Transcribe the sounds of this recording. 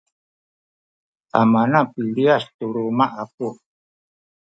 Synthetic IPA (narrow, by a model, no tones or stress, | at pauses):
amanapiliast̪uɾumaʔap̚u